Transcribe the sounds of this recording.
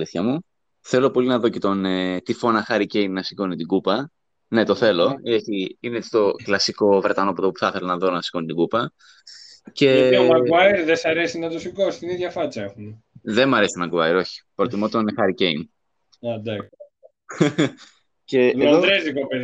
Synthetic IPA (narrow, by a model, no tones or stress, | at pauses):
liθçɐmu | θe̞lo̞po̞linɐðo̞ce̞t̪o̞net̪ifo̞nɐxɐɾice̞jnːɐsi̥konit̪iɡupɐ | ne̞t̪o̞θe̞lo̞eçiinet͡si̥t̪o̞klɐsiko̞vɾet̪ɐno̞pot̪opu̥θɐθe̞lɐnɐðo̞nɐsi̥ko̞nit̪iɡupɐ | ce̞mɐɐiɾðesɐɾesinɐt̪osikosi̥t̪iniðʝɐfɐt͡sɐexune | ðe̞mɐɾe̞si̥nɐɡuɐjɾo̞çi̥pɾot̪imo̞t̪onxɐɾice̞jn | ɐd̪ɐk | ce̞ðd̪ɾezikope